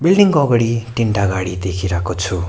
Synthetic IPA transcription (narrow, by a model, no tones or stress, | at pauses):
bilɖiŋkʌɡɽiʈiɳʈaɡaɽid̪ekʰiɾakot͡sʰu